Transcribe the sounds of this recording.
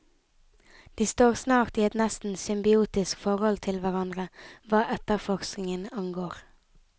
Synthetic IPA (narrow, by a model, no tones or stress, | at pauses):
d̪̥iːst̪oːʁsnɑːʁt̪iːɛt̪nɛst̪n̩sʏmbɪuːt̪ɪskfɔʁhɔlt̪ʰɪlʋæʁɑnd̪ʁəʋɑːʔɛt̪əʁfɔʁsknɪŋənɑŋɡoːʁ